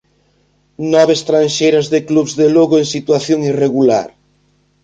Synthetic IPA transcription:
nɔβest̪ɾanʃejɾazðekluβzðeloɣoeŋsit̪waθjoŋireɣula̰ɾ

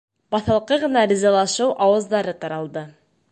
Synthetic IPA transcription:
bɑθɑ̆lˠqɤʁɤ̆nɑɾʲizɑlˠɑʃɤwʔɑwɤ̆zd̪ɑɾɤt̪ɑɾɑlˠd̪ɤ

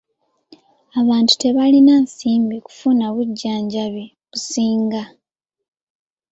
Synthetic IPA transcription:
aβaːntu̥te̞βalinaːnsiːmbiku̥funaβuɟːaːɲɟaβi | βusiːŋɡa

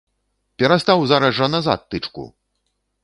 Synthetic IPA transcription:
pʲɛɾast̪awzaɾɐzʐɐnaza̰t̪ːɨt͡ʂkṵ

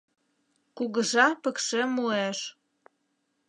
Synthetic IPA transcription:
kuɣə̆ʒɑpə̆kʃemueʃ

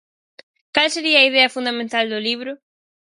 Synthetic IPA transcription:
kalseɾiɐːiðɛɐfũnd̪amẽnt̪ald̪ʊliβɾʊ

